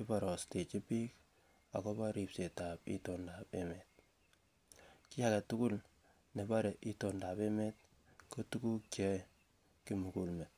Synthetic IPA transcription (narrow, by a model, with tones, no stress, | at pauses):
ki˦pa˨ɾɔ˨ste˨t͡ʃi˦pi˦k | a˨kɔ˦pa˦ɾi˨pse˨ta˨pḭ˦tondapeme˨t̚ | ki˦ja˦kɛ˨tu˦ku˦l | ne˨ba˦ɾe˨ʔi˦to˨nda˨pe˦me˦t̚ | ko˦tuku˦kjɔ˦j | kimu˨ku˨lme˨t̚